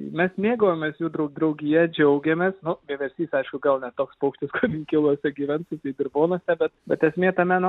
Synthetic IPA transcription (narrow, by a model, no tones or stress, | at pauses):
mʲɛsmʲeːɡoːjomʲeːsjuːd̪ɾɐʊd̪ɾɐʊɡʲɪjɛd͡ʒʲɛʊɡʲɛmʲeːsnʊbʲiɛʋʲɛɾʲsʲiːsɐɪʃkʊɡɐlˠnʲɛt̪oːkspɐʊkʃt̪ʲɪskoːɪŋʲkʲɪlˠuɔsʲɛɡʲiːʋʲɛntsʲɪt̪ɐɪd̪ʲɪɾboːnoɔsʲɛbʲɛt̪̚bʲɛt̪ɛsʲmʲeːt̪ɑmʲæːno